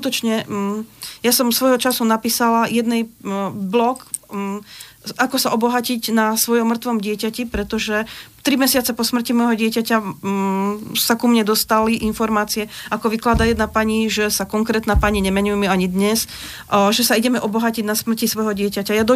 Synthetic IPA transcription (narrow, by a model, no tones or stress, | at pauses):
kut̪ɔt͡ʃɲɛ | jasɔmsʋɔjɦɔt͡ʃasunapiːsalajɛd̪nɛjblɔk | akɔsaʔɔbɔɦaciɟnasʋɔjɔmːr̩t̪ʋɔmɟɪɛcacipɾɛt̪ɔʒɛt̪ɾimɛsɪat͡sɛpɔsmr̩cimɔjɦɔɟɪɛcaca | sakumɲɛd̪ɔst̪aliʔinfɔɾmaːt͡siɛakɔʋiklad̪ajɛd̪napaɲiʒɛsakɔŋkɾɛːt̪napaɲiɲɛmɛɲujɛmɛaɲid̪ɲɛs | ʒɛsaiɟɛmɛʔɔbɔɦaciɟnasmr̩cisʋɔjɦɔɟɪɛcacajad̪ɔ